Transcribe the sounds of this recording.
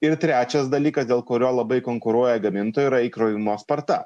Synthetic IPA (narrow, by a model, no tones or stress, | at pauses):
ɪɾt̪ʲɾʲæːt͡ʃʲɛsd̪ɐlʲiːkɐsd̪ʲeːlˠkoːɾʲoːlˠɐbɐɪkoŋkʊɾuɔjɛɡɐmʲɪnt̪oːjuiɾɐikɾoʋʲɪmoːspɐɾt̪ɐ